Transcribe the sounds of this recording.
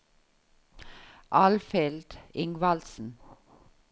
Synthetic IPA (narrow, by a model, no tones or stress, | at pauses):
ʔɑlfɛld̪̥ɪŋʋɑlsn̩